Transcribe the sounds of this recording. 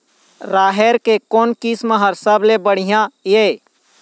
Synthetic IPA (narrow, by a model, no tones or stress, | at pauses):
ɾaːɦeɾkekoːnkisməɦəɾsəblebəɽ̤ijãje